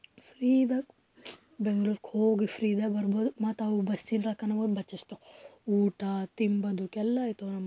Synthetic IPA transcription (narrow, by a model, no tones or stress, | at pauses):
fɾid̪ak | beŋɡɭuːɾkhoːɡifɾiːd̪abɐɾboːd̪umat̪awubɐsinɾakɐnɐboːd̪bɐt͡ʃːist̪ouːʈat̪imbɐd̪ukɛlːaːjt̪onɐmːɐ